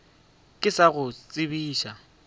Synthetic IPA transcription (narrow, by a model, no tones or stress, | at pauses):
kʼɪsaɣʊt͡sʼɪbiːʃa